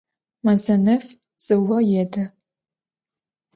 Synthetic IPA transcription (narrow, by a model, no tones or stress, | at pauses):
mɐzɐnɨf | z̥ɨwɐjɛdɐ